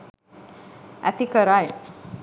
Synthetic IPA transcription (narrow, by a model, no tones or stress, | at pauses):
æ̰t̪ikəɾaj